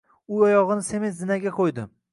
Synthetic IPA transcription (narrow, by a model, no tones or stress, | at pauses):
ʊɒjɒʁɨnɪse̞mezzɪnaɡʲaqʰojd̪ɪm